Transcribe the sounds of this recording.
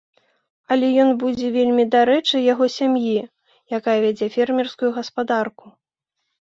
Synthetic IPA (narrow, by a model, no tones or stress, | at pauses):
ɐlʲɛjɔnbud͡zʲɛvʲelʲmʲid̪aɾɛt͡ʂɨjaɣɔsʲamji | jakajɐvʲad͡zʲɛfʲɛrmʲirskujuɣɐspad̪arku